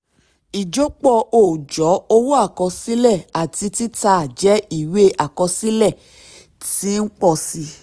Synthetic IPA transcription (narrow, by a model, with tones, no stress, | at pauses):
i˨d͡ʒo˦k͡pɔ˧o˨d͡ʒɔ˨˦o˧wo˦a˦˨kɔ̃˧si˦lɛ˦˨a˨ti˧ti˦ta˧˨d͡ʒɛ˨˦i˦˨we˦ʔa˨kɔ̃˧si˦lɛ˦˨ | ti˦k͡pɔ˦˧˨si˨˧